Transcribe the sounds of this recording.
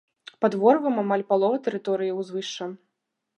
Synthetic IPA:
pad̪vɔɾvɨmamalʲpalˠɔvɐt̪ɛɾɨt̪ɔɾɨjiwzvɨʂt͡ʂːɐ

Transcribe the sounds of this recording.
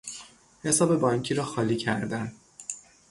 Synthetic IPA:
he̞sɒːbe̞bɒɲcʰiːɾɒːxɒːliːcʰæ̰ɾd̪æn

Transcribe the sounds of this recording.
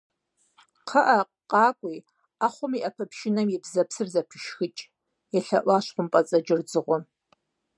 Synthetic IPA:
qʰəʔaqqʼɑːkʷʼij | aχʷʊmiʔɐpʰɐpʰʃɪnɐmjɪbzɐpʰsɨrzapʰɪʃxɨt͡ʃʼ | jaɬɐʔʷaʃʷqʷʊmpʼɐt͡sʼɐd͡ʒɪrd͡zɨʁʷʊ

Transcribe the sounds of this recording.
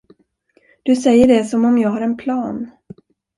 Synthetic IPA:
d̪̥ɵsɛjːəɖɛsɔmɔmjɑːɡhaɾɛnpʰlɑːn

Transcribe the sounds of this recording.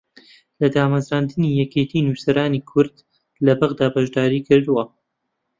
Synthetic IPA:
lɐd̪aːmɐzɾaːnd̪ɨnijɛket̪ʰiːnusɐɾaːniːkʰʊɾd̪ | lɐbaɣd̪aːbɐʒd̪aːɾiːkʰɨɾd̪uwɐ

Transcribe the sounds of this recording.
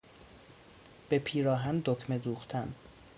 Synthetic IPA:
b̥e̞pʰiːɾɒːɦænd̪okʰmed̪uːχt̪ʰæn

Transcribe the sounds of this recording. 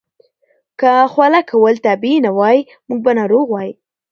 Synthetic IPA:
kaxwalakawəlt̪abinawɑji | muɡ̚banɑɾoɣwɑji

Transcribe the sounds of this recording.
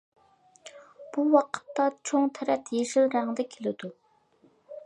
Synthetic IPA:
b̥uwɑqʰə̥t̪ːɑt͡ʃʰoŋt̪ʰɛɾɛt̪ʰjeʃilɾæŋd̪ɛkʲʰelɪd̪u

